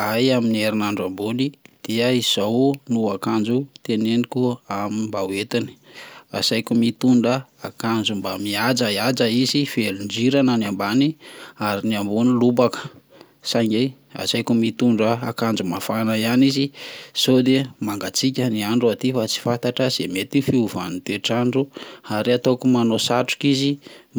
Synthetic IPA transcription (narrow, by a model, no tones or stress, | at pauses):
ajaminieɾinaɳɖ͡ʐambunid̪̥iəiz̥ownuakand͡ʒut̪enenikuamimbawet̪ini̥a̰sajkumit̪uɳɖ͡ʐəakand͡zumbamiad͡zaiad͡ʒaizifelund͡ʒiɾanənambaniaɾiniambunilubakə̥ | saɲe | a̰sajkumit̪uɳɖ͡ʐəakand͡zumafanaianiziz̥od̪emaŋɡat͡sikʲəniaɳɖ͡ʐuat̪ifat͡si̥fant̪aʈ͡ʂəz̥emet̪ifiuvanit̪eʈ͡ʂaɳɖ͡ʐuhaɾiat̪okumanosaʈ͡ʂu̥kizi